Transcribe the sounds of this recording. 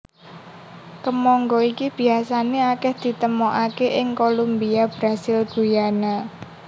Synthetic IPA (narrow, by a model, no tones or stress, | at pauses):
kəmɔŋɡɔikib̥i̤asaneakɛhd̪̥i̤t̪əmoʔakeʔɪŋkolumbiab̥ɾasɪlɡ̥ujana